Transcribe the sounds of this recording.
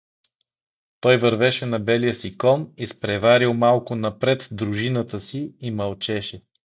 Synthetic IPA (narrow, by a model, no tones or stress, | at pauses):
t̪ɔjvɐɾvɛʃɛnɐbɛlijəsikɔnispɾɛvaɾilˠmalˠkʊnɐpɾɛt̪d̪ɾʊʒinət̪əsiimɐlˠt͡ʃɛʃɛ